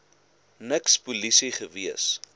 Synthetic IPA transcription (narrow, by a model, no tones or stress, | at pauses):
nəkspulisiχəviəs